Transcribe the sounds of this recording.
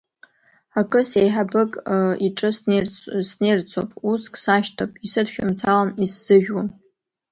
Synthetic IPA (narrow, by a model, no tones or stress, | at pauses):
akʼɨsejħabɨkʼiʈ͡ʂʼɨsrsnejrt͡sʰo̰pʼuskʰʼsaʃtʰopʼisɨdʃᶣʊmt͡sʰalanisːɨʒᶣwan